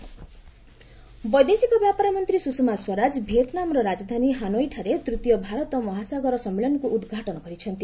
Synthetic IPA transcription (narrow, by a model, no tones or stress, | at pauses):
bʌjd̪esikabjapaɾamʌnt̪risusmaswʌɾad͡zbʱet̪namrʌɾad͡zʌd̪ʱaniɦanojʈʰaɾet̪rit̪jʌbʱaɾʌt̪ʌmʌɦasaɡʌɾʌsʌmːelʌnkoʔud̪ɡʱaʈʌnɡʌɾit͡sʰʌnt̪i